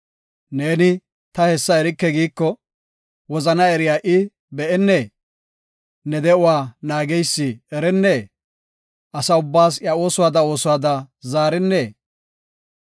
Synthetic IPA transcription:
ne̞ːnɪ | t̪ɐhɛsːɐɛɾɪkːɛɡiːkːɔ | wɔzɐnɐɛɾɪjaːʔɪ | bɛʔɛnːeː | nɛd̪ɛʊwaːnaːɡɛjsːɪɛɾɛnːeː | ʔɐsɐʊbːaːsjɐo̞ːsʊwaːd̪ɐo̞ːsʊwaːd̪ɐzaːɾɪnːeː

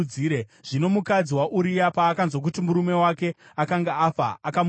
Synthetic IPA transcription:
d͡ziɾeʐ̥ino̞mukad͡ziwaʔuɾijapaːkanzok̬utimuɾume̞wake̞akaŋɡaafa̰akam

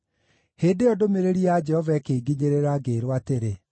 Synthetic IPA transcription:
heːdeɔdomeɾeɾiad͡ʒɛhɔvaɛkeɡiɲeɾeɾaɡeɾwateɾe

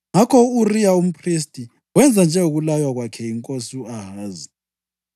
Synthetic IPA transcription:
ŋakʰɔurijaum̩pʰris̬tʼi | wɛnd͡zʱand͡ʒʱɛuɣulajwaɣwakʰɛjiŋkʼosuaɦaːzi

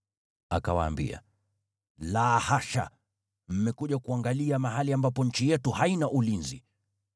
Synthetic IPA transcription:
a̰kawa̰ːmbḭa̰ | laːhaʃa̰ | m̩mɛkuʄakuaŋɡaliamaɦaliambapɔɲ̩t͡ʃijɛtuhainaʔulinzḭ

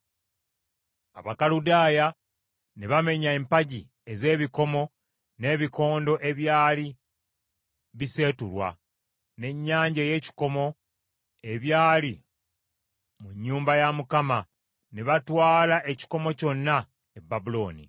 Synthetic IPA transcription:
aβakaludaːja | neβame̞ɲaempaɟi | e̞ze̞ːβiko̞mo̞ | ne̞ːβiko̞ːndo̞ʔe̞βjaːli | βise̞ːtulwa̰ | ne̞ɲːaːɲɟeje̞ːci̥ko̞mo̞ | e̞βjaːli | muɲːuːmbajamukama | neβatwaːlaʔe̞ci̥ko̞mo̞co̞nːa | ebːabulo̞ːnḭ

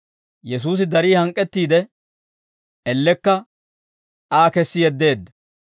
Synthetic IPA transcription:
jɛs̬uːs̬ɪd̪ɐɾiːhɐŋkʼːɛt̪ːiːd̪ɛ | ɛlːɛkːɐ | aːkɛsːɪjɛd̪ːe̞ːd̪ːɐ

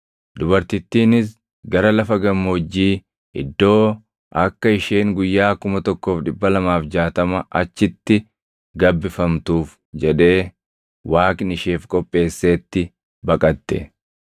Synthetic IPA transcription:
d̪ʊbɐɾt̪ɪt̪ːiːnɪs̬ | ɡɐɾɐlɐfɐɡɐmːod͡ʒːiː | ɪ̰d̪ːo̞ː | ʔɐkːɐɪʃeːŋɡʊjːaːkʊmɐt̪ɔkːoːfᶑɪbːɐlɐmaːfd͡ʒaːt̪ɐmɐʔɐt͡ʃːɪt̪ːɪ | ɡɐbːɪfɐmt̪uːf | d͡ʒɛᶑe̞ː | waːknɪʃeːfkʼɔpʼːe̞ːsːeːt̪ːɪ | bɐkʼɐt̪ːɛ̰

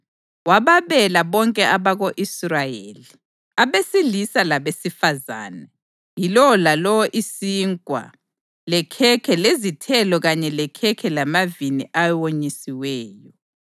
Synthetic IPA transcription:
waβaβɛlaβɔŋkʼɛʔaβaɣoʔisrajeːli | aβesilisalaβesifaza̰ːnɛ | jilɔlalɔwɔʔisiŋkʼwa̰ | lɛkʰɛkʰɛlezitʰɛlɔɣaɲɛlɛkʰɛkʰɛlamaviniʔawoɲisiwɛːjɔ

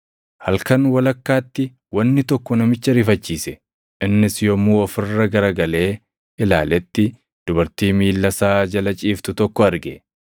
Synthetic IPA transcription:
hɐlkɐnwɐlɐkːaːt̪ːɪ | wɐnːɪt̪ɔkːɔnɐmɪt͡ʃːɐɾɪfɐt͡ʃːiːsɛ | ɪnːɪsjɔmuːɔfɪrːɐɡɐɾɐɡɐle̞ː | ɪla̰ːlɛt̪ːɪ | d̪̥ʊbɐɾt̪iːmiːlːɐsaːd͡ʒɐlɐt͡ʃʼiːft̪ʊt̪ɔkːɔɐɾɡɛ

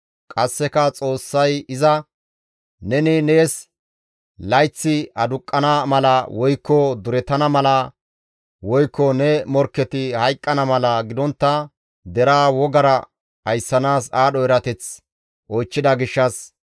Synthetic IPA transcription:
kʼɐsːɛkɐt͡sʼo̞ːsːɐjɪzɐ | nɛnɪne̞ːs | lɐjt͡sːɪʔɐd̪ʊkʼːɐnɐmɐlɐwɔjkːɔd̪ʊɾɛt̪ɐnɐmɐlɐ | wɔjkːɔnɛmɔɾkːɛt̪ɪhɐjkʼːɐnɐmɐlɐɡɪd̪ɔnt̪ːɐ | d̪ɛɾaːwɔɡɐɾɐ | ɐjsːɐnaːsaːɗɔɛɾɐt̪ɛt͡s | ʔɔjt͡ʃːɪd̪ɐɡɪʃːɐs

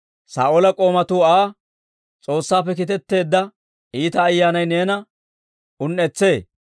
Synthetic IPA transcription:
sa̰ːʔolɐkʼo̞ːmɐt̪uːaː | t͡sʼo̞ːsːaːpːɛkɪt̪ɛt̪ːe̞ːd̪ːɐ | iːt̪ɐːjːaːnɐjne̞ːnɐ | ʊnːɛt͡sːe̞ː

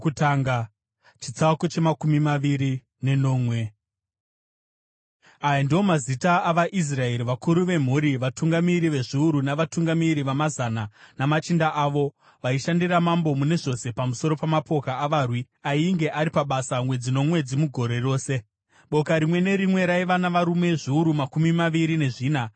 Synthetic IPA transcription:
utaːŋɡa | t͡ʃit͡sakot͡ʃemakumimaʋiɾi | ne̞no̞ːmwe | ajandio̞mazitaːʋaʔis̬rae̞ɾiʋakuɾuʋe̞m̤uɾiʋatuŋɡamiɾiʋe̞ʐiuɾunaʋatuŋɡamiɾiʋamazananamat͡ʃindaʔaːʋo̞ | ʋaiʃandiramambo̞mune̞ʐo̞se̞pamuso̞ɾo̞pamapo̞kaːʋaːrwi | aiŋɡe̞ʔaɾipaɓasamwe̞d͡zino̞mwe̞d͡zimuɡʱo̞ɾe̞ro̞ːse̞ | ɓo̞kaɾimwe̞ne̞ɾimwe̞ɾaiʋanaʋaɾume̞ʐiuɾumakumimaʋiɾine̞ʐiːna

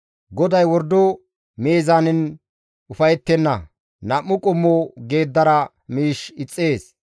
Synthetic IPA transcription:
ɡɔd̪ɐjwɔɾd̪o | me̞ːzanɛn | ʊfɐjɛt̪ːɛnːɐ | nɐmːʊkʼʊmːoɡe̞ːd̪ːɐɾɐ | miːʃɪt͡sʼːeːs

